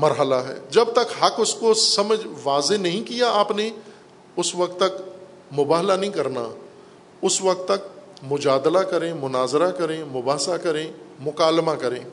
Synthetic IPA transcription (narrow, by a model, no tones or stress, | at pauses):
mɐɾɦəlaɦɛ̰ːd͡ʒɐb̚t̪ɐkɦɐkʊskosɐməd͡ʒʋaːzenɐɦĩkijaaːpne | ʊsʋɐk̚t̪ːɐk | mʊbaːɦlanɐɦĩkɐɾna̰ | ʊsʋɐk̚t̪ːɐk̚mʊd͡ʒaːd̪lakɐɾẽmʊnaːzɾakɐɾẽmʊbaːsakɐɾẽːmʊkaːlmakɐɾẽː